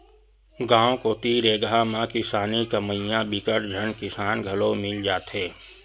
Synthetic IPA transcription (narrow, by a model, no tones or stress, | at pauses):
ɡãːõkot̪iːɾeːɡamãkɪsaːnikəməjãbɪkəɾd͡ʒʱənkɪsaːnɡʱəlomɪld͡ʒaːt̪ɦɛː